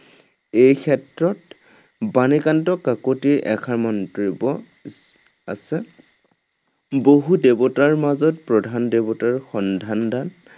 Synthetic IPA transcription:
ejkʰɛtɹɔt | banikantɔkakotiʔɛ̰kʰaɹmɔntɹibɔ | a̰sɛ | boɦudebotaɹmazɔt̚pɹɔdʱandebotaɹxɔndʱandan

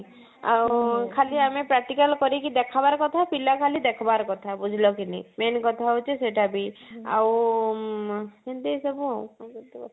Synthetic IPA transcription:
a̰wkʰaliamepɾak̚ʈikalkɔɾikid̪ekʰabaɾɔkɔt̪ʰapilakʰalid̪ekʰɔbaɾkɔt̪ʰabud͡ʒʱilɔkinḭmenkɔt̪ʰaɦut͡ʃʰeseʈʰabia̰w | end̪esɔbuawt̪

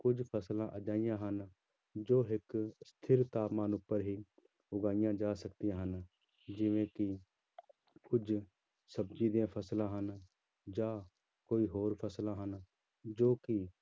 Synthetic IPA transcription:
kʊd͡ʒʱpʰəslãːʔəd͡ʒaːɪjãːɦən | d͡ʒoːɦɪkst̪ʰɪɾt̪aːpmaːnʊpːəɾɦiː | ʊɡaːɪjãːd͡ʒaːsəkt̪ijãːɦən | d͡ʒɪʋẽːkɪ | kʊd͡ʒ | səbd͡ʒiːd̪ijãːpʰəslãːɦən | d͡ʒaː | koːiːɦoːɾpʰəslãːɦən | d͡ʒoːkɪ

